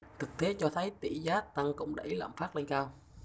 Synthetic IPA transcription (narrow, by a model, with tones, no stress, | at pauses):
t̪ʰɨ˨˩k̚t̪e˨˦t͡ɕɔ˧t̪ʰə˨˦jt̪ḭ˧˩zaː˨˦˥t̪a˧ŋkʊ̰˧˥wŋ͡mɗə̰˧˩jla̰ː˧˨mfaː˦˥t̚le˧nkaː˧w